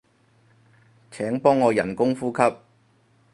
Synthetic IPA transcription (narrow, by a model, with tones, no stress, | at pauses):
t͡sʰɛː˨˥ŋpɔː˥ŋːɔː˨˧jɐ˨˩nkʊ˥ŋfuː˥kʰɐ˥p̚